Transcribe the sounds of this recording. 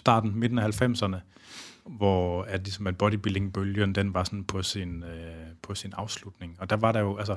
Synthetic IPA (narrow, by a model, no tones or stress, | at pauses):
sd̥ɑ̰̈ːd̥n̩me̝d̥n̩ɒhælfem̰sɐnə | ʋɒælisɒ̽mæd̥̚b̥ɒɾib̥ileŋb̥øljənd̥enʋɑ̈sɒ̽npʰɒ̽sinpʰɒ̽sinɑ̈ʊslud̥ne̝ŋɒ̽d̥æʋɑ̈ɾɑ̈jo̝ælsɐ